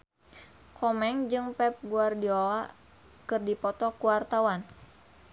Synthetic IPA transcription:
kʰɔmɛŋd͡ʒɨŋpɛp̚ɡuardiɔla | kɨrdipɔt̪ɔkuwart̪awan

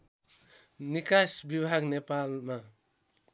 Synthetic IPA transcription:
nikasbibʱaɡnepalma

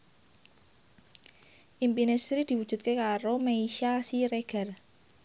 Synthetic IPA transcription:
ʔimpinest̪ɾid̪̥i̤wud̥ʒ̥ṳt̪̚kekaɾomeiʃasiɾeɡ̥a̤r

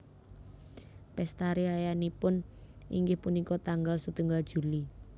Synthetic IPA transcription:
pɛst̪aɾiajanipʊn | ḭŋɡɪhpunikɔt̪aŋɡalsut̪uŋɡald̥ʒ̥ṳli

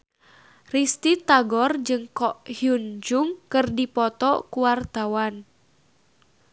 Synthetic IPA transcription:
rist̪it̪aɡɔrd͡ʒɨŋkɔʔhjund͡ʒuŋkɨrdipɔt̪ɔkuwart̪awan

